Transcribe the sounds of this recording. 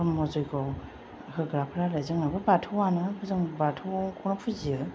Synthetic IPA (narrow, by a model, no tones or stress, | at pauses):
ɔmɔzɔjɡʰɔ | hʰɯɡɾapʰɾalajzɯŋnabɯbatʰɯwanɯbʰɯzɯŋbatʰɯkʰɔnɔpʰuziɯ